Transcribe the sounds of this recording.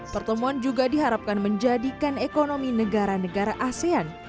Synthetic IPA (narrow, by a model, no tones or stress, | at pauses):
pərt̪əmuand͡ʒuɡadiɦaɾap̚kanməɲd͡ʒadikanekonominəɡaɾanəɡaɾaʔasean